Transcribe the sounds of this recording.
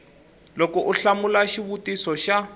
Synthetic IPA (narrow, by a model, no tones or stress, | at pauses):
lokɔʔuɬamulaʃiβutisɔʃa